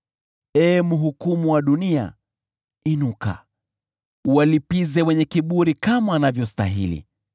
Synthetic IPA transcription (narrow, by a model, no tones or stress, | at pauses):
ɛːmuɦukumuwaɗunia̰ | inuka̰ | uwalipizɛwɛɲɛkiɓuɾikamaːnavjɔs̬ta̰ɦḭlḭ